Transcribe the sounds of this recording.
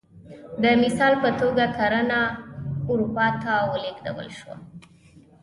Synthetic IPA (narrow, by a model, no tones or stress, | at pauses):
d̪əmɪsɑlpət̪oɡakaɾənauɾupɑt̪awəleɡd̪a̰wə̰lʃwa̰